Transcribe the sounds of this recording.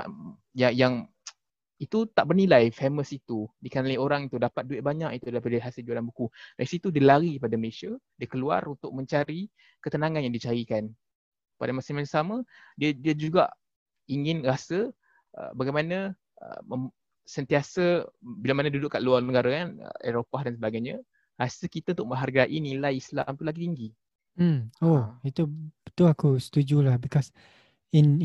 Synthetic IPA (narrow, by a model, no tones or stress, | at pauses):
jajaŋ | it̪ut̪aʔbərnilajfeməsit̪udikənalioɾaŋit̪udapat̪̚duɪt̪ʔ̚baɲaʔit̪udalapadaɦasɪld͡ʒuadanbukulajsit̪udiəlaɾikəpadaməlesadiəkəlua̰runt̪ʊk̚mə̃ɲt͡ʃaɾi | kət̪ənãŋanjaŋdit͡ʃaɾikan | pa̰damasimansamadiədiəd͡ʒuɡaʔ | iŋɪnrasə | ʔə̰baɡajmanə | ʔə̰mə | sənt̪iasəbilamanadudʊʔkːaʔluarnəɡaɾakanə̰eɾopahdans̬əbaɡajɲa | rasəkit̪aunt̪ʊk̚mə̃ɦarɡaʔinilajisla̰mt̪ulaɡit̪iŋɡi | m̩oit̪ubət̪uakusə̥t̪ud͡ʒulahbikɔs | in